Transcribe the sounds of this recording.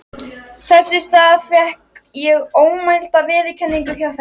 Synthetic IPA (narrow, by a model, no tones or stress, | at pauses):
θɛsːɪst̪aːðavjɛhkjɛɣoːwmajl̥t̪aðvɪːðɪkʰɛnːiŋkʏçjawθ